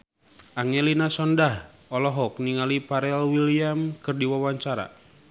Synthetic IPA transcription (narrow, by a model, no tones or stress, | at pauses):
ʔaŋɛlinasɔndah | ɔlɔɦɔk̚niŋalipaɾɛlwiliamkɨrdiwawaɲt͡ʃaɾa̰